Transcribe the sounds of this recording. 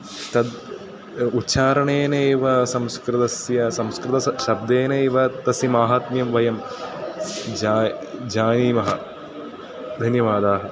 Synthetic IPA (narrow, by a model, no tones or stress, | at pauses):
t̪ɐd̪ | utːʃaːɾɐɳeːneːʋɐsɐmskɾɪt̪ɐsjɐsɐmskɾɪt̪ɐʃɐb̚d̪eːneːʋɐt̪ɐsimaːɦaːt̪mjɐmʋɐjɐm | aːd͡ʒaːniːmɐɦɐ | d̪ʱɐnjɐʋaːd̪aːɦɐ